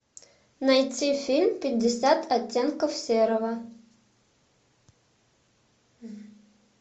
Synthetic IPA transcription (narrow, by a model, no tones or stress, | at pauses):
najt͡sifʲilʲmpʲɪt̚ʲdɪsʲat̪ʰatʲːenkofsʲeɾɐvɐ